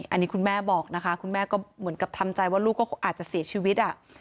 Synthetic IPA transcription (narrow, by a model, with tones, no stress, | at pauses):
ʔa̰˧nːiː˦˥kʰu˧nmɛː˥˩bɔː˨˩k̚na˦˥kʰa˦˥kʰu˧nmɛː˥˩kɔː˥˩mɯ˩˦ənka˨˩p̚t̪ʰa˧mt͡ɕa˧jwaː˥˩ɾuː˥˩kːɔː˥˩˥ʔaː˨˩t̪̚t͡ɕa˨˩si˨˩˦ɐt͡ɕʰiː˧wi˦˥t̪̚ʔa˨˩ʔ